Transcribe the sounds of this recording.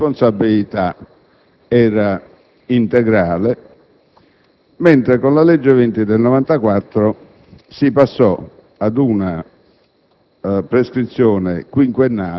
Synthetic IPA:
ponsabːilit̪a | ɛːɾa | int̪ɛɡɾaːle | mɛnt̪ɾekonlalɛd͡ʒːɪvɛnt̪id̪elnɔvant̪akwat̪ːɾʊ | sipasːɔ | ad̪una | pɾeskɾit̪sːjɔːnḛkwiŋkwenːaː

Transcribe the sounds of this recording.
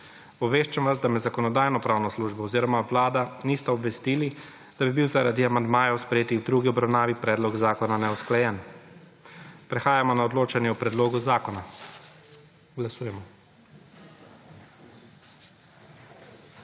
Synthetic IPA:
ɔʋeːʃt͡ʃɛmʋazd̪amɛzakɔnɔd̪aːjnɔpɾaːwnɔsluːʒbɔːziːɾɔmaʋlaːd̪aniːst̪aɔbʋɛst̪ili | d̪̥abibiwzaɾad̪iamand̪maːjɛwspɾɛjeːt̪ixwd̪ɾuːɡiɔbɾawnaːʋipɾɛːd̪lɔɡzaːkɔnanɛɔsklajɛn | pɾɛxaːjamɔnaɔd̪loːt͡ʃanjɛɔpɾɛd̪loːɡuzaːkɔna | ɡlasuːjɛmɔ

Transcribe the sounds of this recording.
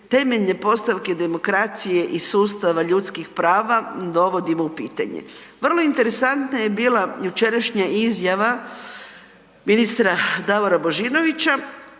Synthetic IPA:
t̪e̞me̞ʎne̞po̞st̪aʋke̞d̪e̞mo̞kɾat̪sije̞ʔisuːst̪aʋaʎut̪skixpɾaːʋad̪o̞ʋo̞d̪imoupiːt̪a̰ɲḛʋr̩lˠo̞int̪e̞ɾe̞sant̪naje̞biːlajut͡ʃe̞ɾaʃɲaʔizjaʋa | minist̪ɾad̪aʋoɾabo̞ʒiːno̞ʋit͡ɕa

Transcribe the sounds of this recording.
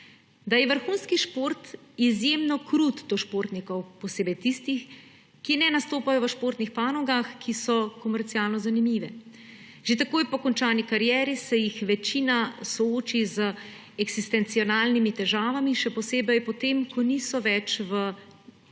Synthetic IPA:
d̪ajɛʋəɾxuːnskiʃpoːɾt̪izjemnɔkɾut̪d̪oʃpoːɾt̪nikɔwpɔseːbɛjt̪ist̪ix | kinɛnast̪oːpajɔʋəʃpoːɾt̪nixpaːnɔɡaxkʰisɔkɔmɛɾt̪siaːlnɔzanimiːʋɛ | ʒ̥et̪akoːjpɔkɔnt͡ʃaːnikaɾjɛːɾisɛjixʋɛt͡ʃiːnasɔoːt͡ʃizə | ɛɡz̥ist̪ɛnt̪siɔnaːlnimit̪ɛʒaːʋamiʃɛpɔseːbɛjpɔt̪eːmkʰɔniːsɔʋɛt͡ʃʋə

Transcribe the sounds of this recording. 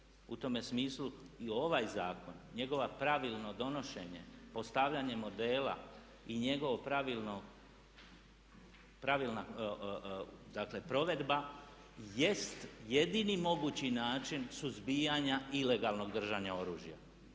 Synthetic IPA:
ut̪o̞me̞smiːslu | io̞ʋajzaːko̞nɲe̞ɡo̞ʋapɾaʋilˠno̞d̪o̞no̞ʃe̞̰ɲe̞̰po̞st̪aʋʎaɲe̞mo̞d̪e̞ːla̰ | iɲe̞ɡo̞ʋopɾaʋilnoɡ | pɾaʋilˠna | d̪akle̞pɾo̞ʋe̞d̪ba | je̞st̪je̞d̪inimo̞ɡuːt͡ɕinaːt͡ʃinsuzbijaɲaʔile̞ɡalˠno̞ɡd̪r̩ʒaɲao̞ɾuːʒja̰

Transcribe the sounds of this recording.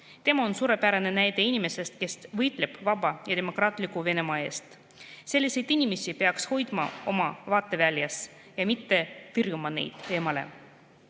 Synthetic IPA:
t̪e̞mɑonsuːɾe̞pæɾene̞næjd̪e̞inʲime̞se̞st̪̚ke̞st̪vɤjt̪ˑle̞b̥vɑbɑjɑd̪e̞mo̞krɑːt̪ˑlikˑuve̞ne̞mɑːe̞ːst̪ | se̞lʲːise̞jd̪inʲime̞sipe̞ɑksho̞jd̪̥mɑ̰o̞mɑvɑːt̪ːˑe̞vælʲjɑs | jɑmit̪ːe̞t̪ɯrjumɑnḛjd̪̥e̞ːmɑle̞̰

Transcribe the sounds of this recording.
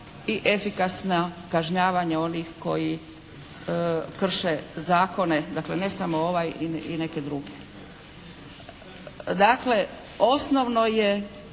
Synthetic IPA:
iʔefikasnakaʒɲaːʋaɲao̞nixko̞̰ji | kr̩ʃezaːko̞ne̞d̪akle̞ne̞samoo̞ʋajiine̞ke̞d̪ɾuɡe | d̪akle̞ | o̞snoʋno̞je̞

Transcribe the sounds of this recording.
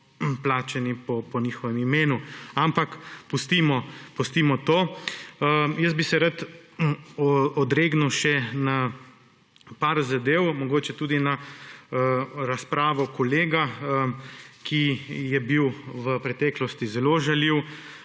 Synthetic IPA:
plaːt͡ʃɛnipɔpɔniːxɔʋɛmimeːnuampakpust̪imɔpɔst̪imɔt̪oː | jəsbisɛɾat̪ | ɔd̪ɾeːɡnuwʃɛna | paɾzad̪eːwmɔɡoːt͡ʃɛt̪uːd̪ina | ɾaspɾaːʋɔkɔleːɡa | kʰijɛbiwʋəpɾɛt̪ɛːklɔst̪izɛloʒaliw

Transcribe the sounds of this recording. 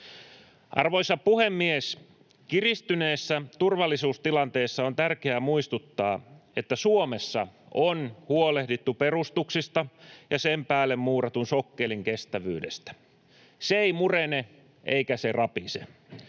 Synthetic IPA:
ʔɑ̰rʋojsɑpuhemːies | kirist̪yne̞ːsːæt̪urʋɑlːisuːst̪ilɑnt̪e̞ːsːɑont̪ærkeæmuist̪ut̪ːɑːe̞t̪ːæsuomesːɑʔonhuole̞hdit̪ːupe̞rust̪uksist̪ɑjɑsempæːlːemmuːrɑt̪unsokːe̞liŋkest̪æʋy̰ːdest̪æ̥ | seeimurene | ʔḛikæserɑpisḛ

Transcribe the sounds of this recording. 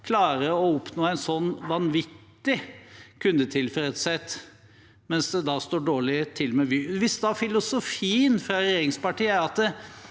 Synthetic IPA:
kʰlɑːɾəɔʊpnoːæɪnsɔnːʋɑnʋɪt̪ːɪkʰʉnd̪ət̪ʰɪlfɛɾət̪sɛt̪ː | mɛnsd̪ɛd̪ɑst̪oːɖoːɭɪt̪ʰɪlmɛʋyːʋɪsd̪ɛɑfɪlʊsʊfiːənfɾɑɾɛjeːɾɪŋspɑʈiːəæɾɑt̪

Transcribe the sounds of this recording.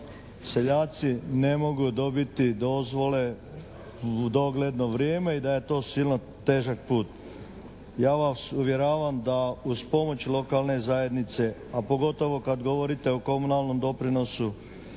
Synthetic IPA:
se̞ʎaːt̪sine̞mo̞ɡud̪o̞bit̪id̪o̞zʋo̞le̞ | d̪o̞ɡle̞d̪no̞ʋɾjeːme̞id̪aje̞t̪o̞ːsilno | t̪e̞ːʒak̚puːt̪ | jaːʋasuʋje̞ɾaːʋamd̪auspo̞mo̞t͡ɕlo̞kalˠne̞zaje̞d̪nit̪se̞apo̞ɡo̞t̪o̞ʋo̞kad̪ɡo̞ʋo̞ɾit̪e̞oko̞munalˠno̞md̪o̞pɾino̞su

